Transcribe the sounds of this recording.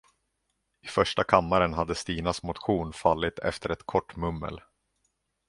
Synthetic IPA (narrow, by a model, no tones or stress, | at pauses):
ɪfœʂʈakʰamːaɾənɦad̪ːəst̪iːnasmʊt̪ɧuːnfalːɪt̪ʰɛ̰ft̪ʰəɾɛt̪kʰɔʈːmɵmːə̰l